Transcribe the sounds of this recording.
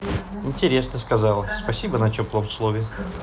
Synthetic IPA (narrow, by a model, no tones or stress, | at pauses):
ɪnʲtʲɪɾʲe̞snəskɐzɑlˠəspɐsʲibənɐt͡ɕʲoplˠəmslˠovʲɪ